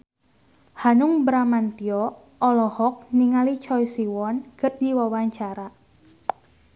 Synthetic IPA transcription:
hanʊŋbɾamant̪iɔ | ɔlɔhɔk̚niŋalit͡ʃɔjsiwɔnkər̚diwawaɲt͡ʃaɾa

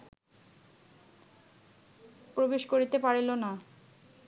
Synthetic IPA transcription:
pɾobeʃkoɾit̪epaɾilona

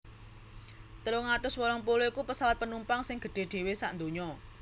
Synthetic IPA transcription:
t̪əɾoŋat̪ʊswɔlɔŋpuluikupəsawat̪̚pənumpaŋsɪŋɡ̥ə̤ɖ̪̥e̤ɖ̪̥e̤wesa̰ʔnd̪o̤ɲɔ

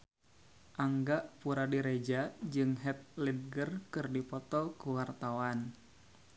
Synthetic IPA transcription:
ʔaŋɡaʔpuɾadiɾed͡ʒad͡ʒɨŋɦɛt̪̚lid̚ɡərkɨrdipɔt̪ɔkuwart̪awan

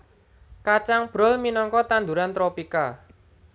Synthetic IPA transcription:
kat͡ʃaŋb̥ɾɔ̤lminɔŋkɔt̪and̪uɾant̪ɾopika

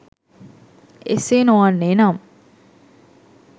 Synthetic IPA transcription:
ḛseːnuaːnːeːnaːm

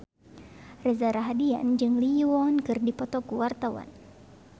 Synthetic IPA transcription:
rɛzaɾaɦadia̰nd͡ʒɨŋliwɔnkɨrdipɔt̪ɔkuwart̪awa̰n

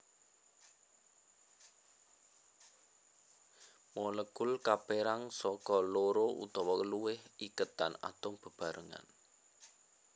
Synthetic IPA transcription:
mɔləɡ̥ʊlkapeɾaŋsɔkɔloɾoʔṵt̪ɔwɔkəluwɪhikət̪ana̰t̪ɔb̥ə̤b̥a̤ɾəŋa̰n

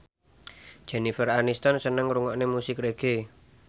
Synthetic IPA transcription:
d̥ʒ̥ɛ̤nifəranist̪ansənəŋɾuŋɔʔnemusɪkreɡ̥e

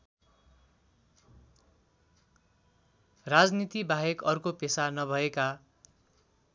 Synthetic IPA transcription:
rad͡znit̪ibaɦekʌrkopesanʌbʱʌeka

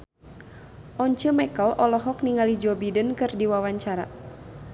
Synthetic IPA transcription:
ʔɔɲt͡ʃəmɛkɔlʔɔlɔɦɔkniŋalid͡ʒɔbidənkɨrdiwawaɲt͡ʃaɾa̰

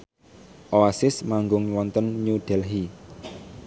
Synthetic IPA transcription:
ʔoasɪsmaŋɡʊŋwɔnt̪ənɲuɖ̥ɛ̤lɦi

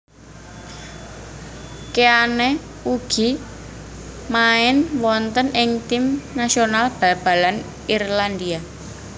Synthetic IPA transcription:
keane | uɡ̥i̤ | maɪnwɔnt̪ənʔɪŋt̪imnasionalb̥a̤b̥a̤lan | irland̪ia

